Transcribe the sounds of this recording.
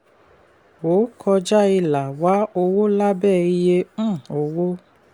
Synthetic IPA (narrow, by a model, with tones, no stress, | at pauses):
wo˨˦kʰɔ˧d͡ʒa˦i˧la˨wa˨˦o˧wo˦la˦bɛː˦˨i˧jẽ˧˦˨o˧wo˦